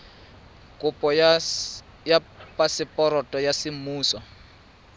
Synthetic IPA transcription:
kʼʊpʼɔ | japʼasɪpʼɔɾɔtʼɔjasɪmuːsɔ

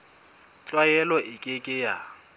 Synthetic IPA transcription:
t͡ɬʼwajɛlɔɪkʼɪkʼɪja

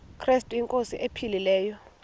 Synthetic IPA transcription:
kʰrestʼujiŋkʼosiʔepʰililɛːjɔ

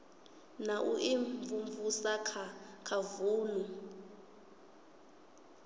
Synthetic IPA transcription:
naʔuʔiɱvuɱvusakʰakʰavuːnu

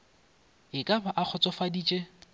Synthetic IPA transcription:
ɪkʼabʰaʔak͡xʰɔt͡sʼɔfadiːt͡ʃʼe

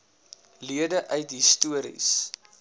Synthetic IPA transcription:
liədəʔœɥtɦistuəɾḭs

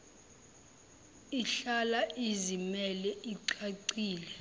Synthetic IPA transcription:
iɬalaʔizimɛlɛʔiǀaǀiːlɛ

